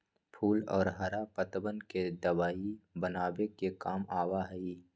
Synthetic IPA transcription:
pʰuːlɔ̰ːɾɦɐɾapət̪bənked̪ɐʋaːibənaːbekekaːmaːwaɦɛiː

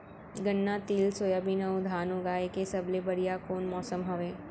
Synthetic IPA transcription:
ɡəɳːat̪iːlsoːjabʱinɐũd̪ʱaːnɦoɡaːekesɐblebɐɽijakoːnmɔːsəmɦɐʋeː

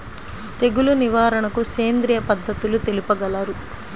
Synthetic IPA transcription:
t̪e̞ɡuluniʋaːɾɐɳɐkuseːnd̪ɾijɐpɐd̪ʱːɐt̪ulut̪elipɐɡɐlaːɾu

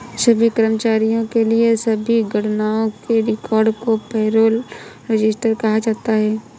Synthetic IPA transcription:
sɐbʱikɐɾəmt͡ʃaːɾijõkeliesɐbʱiɡɐɽnaːõkeɾɪkɔːɾɖkopɛːɾoːlɾɐd͡ʒɪsʈəɾkɐɦad͡ʒaːt̪aɦɛː

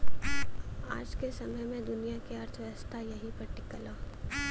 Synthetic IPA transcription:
a̰ːd͡ʒkesɐməjmẽd̪ʊnijakeɐɾt̪ʰʋəst̪ʰajɐɦipɐɾʈɪkːəloː

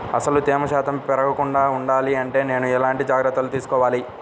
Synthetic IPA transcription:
ɐ̰sɐlut̪iːmɐʃaːt̪ɐmpɛɾɐkɐkuɳɖaːuɳɖaːliɐɳʈe̞ːne̞ːnuɛlaːɳʈid͡ʒaːɡɾɐt̪ːɐlut̪iːsukɔːʋaːli

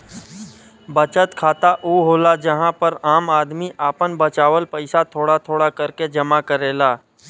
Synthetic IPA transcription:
bət͡ʃət̪kʰaːt̪aʔuːɦoːlad͡ʒɐɦãpəɾaːmaːd̪miʔaːpənbət͡ʃaːʋəlpəɪsat̪ʰoːɽat̪ʰoːɽakɐɾked͡ʒɐmakəɾeːlaː

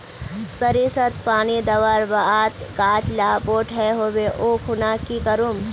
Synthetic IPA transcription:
səɾisət̪paːnid̪ɐʋəɾbat̪ɡaːt͡ʃlapoːʈɦɛɦoːbeʔoːkʰʊnakikəɾum

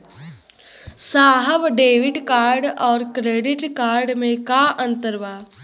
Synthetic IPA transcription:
saːɦəʋɖeːʋɪʈkaːɾɖɔːɾkɾeːɖɪʈkaːɾɖmẽkaʔə̃nt̪əɾʋaː

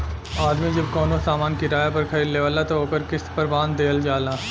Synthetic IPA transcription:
aːd̪mid͡ʒɐbkɔːnosaːmaːnkiɾaːjapɐɾkʰɐɾiːlleʋaːlat̪ooːkəɾkɪspɐɾbaːnd̪eːld͡ʒaːlaː

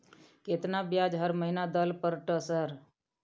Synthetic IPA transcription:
ket̪nabjad͡ʒɦəɾməɦinad̪əlpəɾʈəsəɾ

